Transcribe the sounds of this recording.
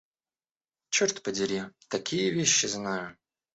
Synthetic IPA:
t͡ɕort̪pədʲɪɾʲit̪ɐkʲʰijəvʲeɕːɪznajʊ

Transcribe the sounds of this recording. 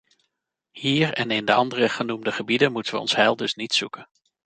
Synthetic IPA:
hiːɹɛnɪndəɑndərəχənumdəχəbidənmutənʋəɔ̰nsɦɛlˠdɵsnitsukən

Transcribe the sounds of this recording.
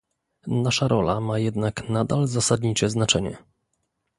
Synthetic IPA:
naʂaɾɔlamajɛd̪naknad̪alzasad̪ɲit͡ʂɛznat͡ʂɛɲɛ̰

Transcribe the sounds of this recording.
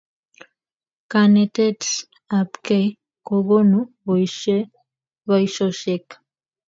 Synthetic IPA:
kanet̪ets | apkej | koɣonuβojʃe | βajʃosekḁ

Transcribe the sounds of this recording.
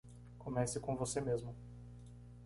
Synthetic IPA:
komɛsɪkõvosemezmʊ

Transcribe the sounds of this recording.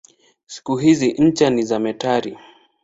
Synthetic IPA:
si̥kuɦiziɲ̩t͡ʃanizamɛtaɾḭ

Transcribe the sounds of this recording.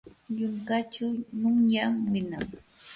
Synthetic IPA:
ʎʊŋkat͡ʃʊnʊŋjamwɪnaŋ

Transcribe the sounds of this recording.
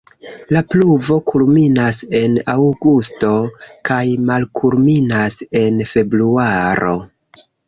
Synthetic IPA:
lapluvo̞kulminase̞nawɡusto̞kajmalkʰulminase̞nfe̞bɾuaɾo̞̰

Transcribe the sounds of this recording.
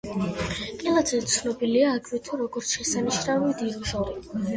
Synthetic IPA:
kʼilˠad̪zɛt̪sʰnɔbiliaːkʰʼvit̪ʰuɾɔɡɔɾt̪sʰʃɛsaniʃnavid̪iɾʒɔɾi

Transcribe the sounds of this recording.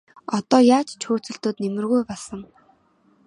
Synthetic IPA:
ɔt̪ɔːjaːt͡ɕt͡ɕʰoːt͡sɵ̆ɬt̪oːt̪nemɘ̆rɣujpɔɮsə̆ŋ

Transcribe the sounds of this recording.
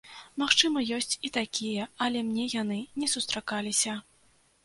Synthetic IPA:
maxt͡ʂɨmɐjɔsʲt͡sʲit̪akʲijɐɐlʲɛmnʲɛjanɨnʲɛsust̪ɾakalʲisʲɐ

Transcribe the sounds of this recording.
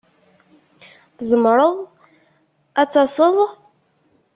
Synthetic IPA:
θəzəmɾˤəðˤ | æt͡sːɑsˤəðˤ

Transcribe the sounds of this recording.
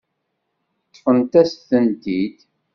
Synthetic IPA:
t̪ːfənt̪æsθənt̪id̪

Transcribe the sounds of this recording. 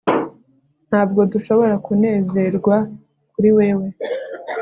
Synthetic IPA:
n̥haːb̚ɡo̞duʃo̞βo̞ɾakune̞ːze̞ɾɡwa | kuɾiwe̞ːwe̞

